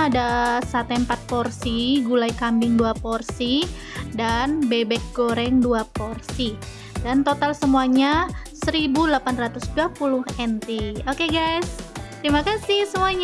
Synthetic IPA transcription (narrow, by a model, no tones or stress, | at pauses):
adasat̪ɛmpat̪̚porsiɡulajkambɪŋduaporsi | danbebɛk̚ɡ̥oɾɛŋduaporsi | dant̪ot̪alsəmuaɲasəɾibulapanrat̪ʊsduapulʊhɛnt̪iokeɡajst̪əɾimakasɪhsəmuaɲ